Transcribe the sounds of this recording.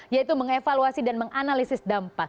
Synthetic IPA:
jait̪uməŋefaluasidanməŋanalisɪsdampa

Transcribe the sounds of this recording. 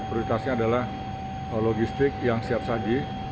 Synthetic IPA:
t̪ɾoɾit̪asɲaːdalah | əloɡist̪ɪk̚jaŋsiap̚sad͡ʒi

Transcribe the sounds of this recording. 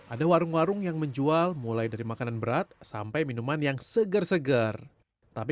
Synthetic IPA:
ʔadawaɾʊŋwaɾʊŋjaŋməɲd͡ʒualmulajdaɾimakananbəɾat̪̚sa̰mpajminumanjaŋsəɡərsəɡər | t̪api

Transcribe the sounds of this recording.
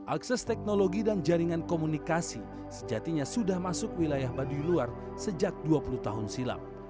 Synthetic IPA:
ʔaksɛst̪ɛk̚noloɡidand͡ʒaɾiŋankomunikasi | səd͡ʒat̪iɲasudahmasʊkwilajahbadujluar | səd͡ʒak̚duapulut̪aɦʊnsila̰m

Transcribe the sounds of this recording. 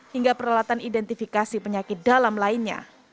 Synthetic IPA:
hiŋɡapəɾawat̪anidɛnt̪ifikasipəɲakɪt̪̚dalamlaɪnɲa̰

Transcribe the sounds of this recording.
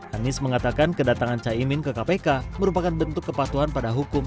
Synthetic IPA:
anɪsməŋat̪akankədat̪aŋant͡ʃaimɪnkəkapekaməɾupakanbənt̪ʊkːəpat̪uɦanpadaɦukʊm

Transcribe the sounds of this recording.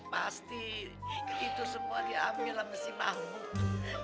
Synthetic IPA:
past̪i | it̪usəmuadiamiilaməsima̰ɦmut̪u

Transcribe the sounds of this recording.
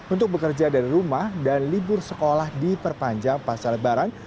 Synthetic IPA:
unt̪ʊk̚bəkərd͡ʒadaɾiɾumahdanlibʊrsəkolahdipərpaɲd͡ʒaŋpasaɾat̪̚baɾan

